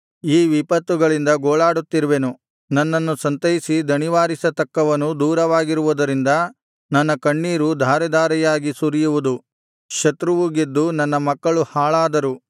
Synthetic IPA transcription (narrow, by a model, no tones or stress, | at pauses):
iːʋipɐt̪ʋuɡɐɭind̪ɐɡoːɭaːɽut̪ːiɾuʋenu | nɐnːɐnːusɐnt̪ɐjisid̪ʱɐniʋaːɾisɐt̪ɐkːɐʋɐnːud̪uːɾɐʋaːɡiɾuʋud̪ɐɾind̪ɐ | nɐnːɐkɐɳːiːɾud̪ʱaːɾɛd̪ʱaːɾɛjaːɡisuɾijuʋud̪u | ʃɐt̪ɾuʋuɡed̪ːunɐnːɐmɐkːɐɭuhaːɭaːd̪ɐɾu